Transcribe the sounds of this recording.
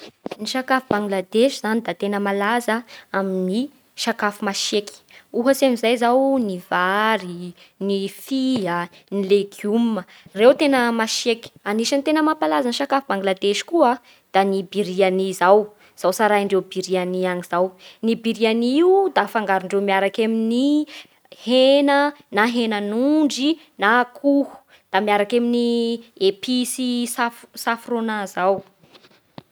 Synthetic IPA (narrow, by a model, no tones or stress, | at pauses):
niʃakafubaŋɡlad̪eʃz̥anid̪at̪enəmalazəamini | ʃakafumaʃeki̥uɦəsamizajzawnivaɾi | nifiənileɡumə | rewt̪enəmaʃeki̥aniʃant̪enəmapalazanʃakafibaŋɡlad̪eʃi̥kua | d̪̥anibiɾianizaw | z̥awsaɾaiɳɖ͡ʐewbiɾianianiz̥awnibiɾianiiud̪afaŋɡaɾuɳɖ͡ʐewmiaɾakamini | henənaɦenənuɳɖ͡ʐi | nakʰuhu̥ | d̪̥amiaɾakaminiepʰisisafsafronazaw